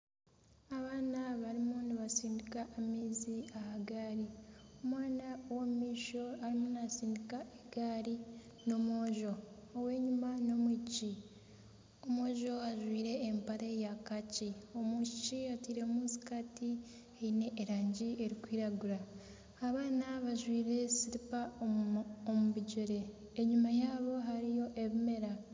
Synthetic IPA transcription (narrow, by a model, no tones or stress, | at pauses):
aβaːnaβaɾimuniβasiːndikaʔːmiːziahaɡaːɾiomwaːnawoumiːʃo̞aɾimunsiːndikaeɡaːɾi | no̞moːʒo̞ː | we̞ːɲumano̞mwuci | omoːʒo̞aʒwiːɾe̞ːmpaɾejakacio̞muciatwiːɾe̞muzi̥kati | eine̞ʔːɾaːɲɟie̞ɾikwiːɾaɡuɾaː | βaːnaβaʒwiːɾe̞siɾipaoomuβiɟoɾe̞ | eɲumajaːβo̞ɦaɾijo̞ʔe̞βime̞ɾa